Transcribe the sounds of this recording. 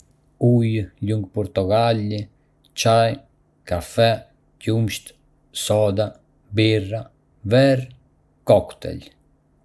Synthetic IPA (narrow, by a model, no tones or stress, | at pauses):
ujluŋɡ̚pɔɾt̪ɔɡalːi | t͡ʃaj | kafɛ | cumʃt̪ | sɔd̪a | bira | vɛɾ | kɔkt̪ɛ̰l